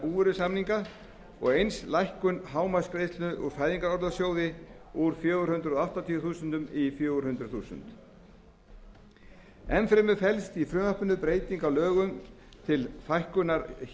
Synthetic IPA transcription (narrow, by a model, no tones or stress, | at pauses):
uːvʏɾʏsamniŋka | ɔ̰ɣejnslajhkʏnɦaːwmaskɾejst̪lnʏʔuɾfaːjðiŋkaɾɔɾðasjoːwðɪuɾ̥fjœːɣʏɾ̥hʏnt̪ɾʏðɔaht̪at̪ʰiʏθuːsʏnt̪ʏmifjoːɣʏɾhʏnt̪ɾʏθuːsʏ̰nt̪ | ɛmfɾɪmʏfɛlst̪ifɾʏnapʏnːʏpɾeːjt̪iŋkawlœːɣʏm | t̪ʰɪlθajhkʏnaɾ